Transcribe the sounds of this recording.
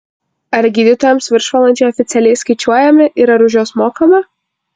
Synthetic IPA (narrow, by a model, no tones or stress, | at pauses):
ɐɾɡʲiːd̪ʲɪt̪oːjɛmsʋʲɪɾʃʋɐlˠɐnʲt͡ʃʲɛɪɔːfʲɪt̪sʲɛlʲɛɪskɐɪt͡ʃʲuɔjɛmʲɪʔiɾɐɾʊʒʲoːsmoːkɐmɐ